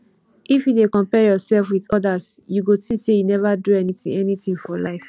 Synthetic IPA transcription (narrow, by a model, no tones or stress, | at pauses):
ʔifjudekɔ̃mpɛjɔsɛlfwiðɔdasjuɡotĩsejunɛvaduɛniθḭ̃ŋɛnitĩŋfɔlaɪf